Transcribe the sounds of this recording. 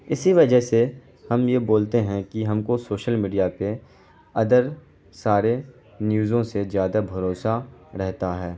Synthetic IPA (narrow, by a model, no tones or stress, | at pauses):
ɪsiʋɐd͡ʒəɦse | hɐmjeboːlt̪eɦɛ̃kiɦɐmkosoːʃəlmiːɖijape | ɐd̪əɾ | saːɾe | njuːzõsezjaːd̪abʱɐɾoːsaɾɛɦt̪aɦɛː